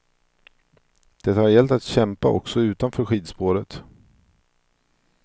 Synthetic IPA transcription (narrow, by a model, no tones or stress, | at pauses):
d̪̥ɛt̪ːahaɾjɛlt̪at̪ɕɛmpa̰ʔɔ̰ksɔʉ̟ːt̪anfœːɾɧiːd̪spoːɾət̪